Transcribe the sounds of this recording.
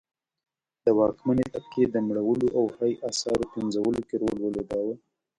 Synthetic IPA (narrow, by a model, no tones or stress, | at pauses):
d̪̥əwɑkmanet̪ap̚ked̪əmɽawəloʔawhajʔasɑɾopenzawəlokeɾolwəlod̪awə